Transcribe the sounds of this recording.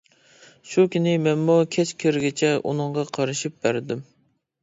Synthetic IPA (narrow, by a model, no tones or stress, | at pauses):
ʃukʲynɪmɛnmukʲʰɛt͡ʃkʲʰeɾɡʲɪt͡ʃʰɛʔṵnɨŋʁɑqʰɑɾɨʃip̚b̥æɾd̪ym